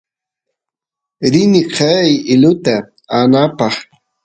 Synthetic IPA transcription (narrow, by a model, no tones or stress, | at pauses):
ɾɪnɪqʰɑjɪlʊt̪a | anapɑχ